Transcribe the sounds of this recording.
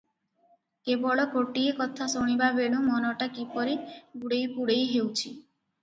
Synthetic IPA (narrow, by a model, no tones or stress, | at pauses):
kebɔɭɔkoʈiekɔt̪ʰasoɽ̃ibabeɽ̃umɔnɔʈakipɔɾiɡuɽejkuɽejɦewt͡ʃʰi